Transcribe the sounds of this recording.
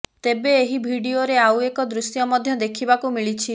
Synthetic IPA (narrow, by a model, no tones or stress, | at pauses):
t̪ebeːɦibʱiɖioɾeawekɔd̪ɾusjɔmɔd̪ʱjɔd̪ekʰibakumiɭit͡ʃʰi